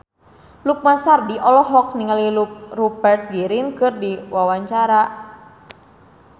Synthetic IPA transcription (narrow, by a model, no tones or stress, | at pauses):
luk̚masardiʔɔlɔɦɔk̚niŋaliluk̚rupɛrt̪̚ɡiɾinkɨrdiwawaɲt͡ʃaɾa